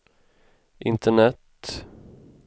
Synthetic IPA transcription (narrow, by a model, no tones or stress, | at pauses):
ʔɪnt̪ʰəɳɛt̪